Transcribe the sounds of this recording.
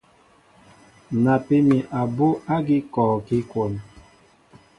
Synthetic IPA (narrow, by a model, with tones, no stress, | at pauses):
na˨pe˦mi˨ʔa˨bo˦a˦ɡi˦kɔː˨ki˦kwo˨n˨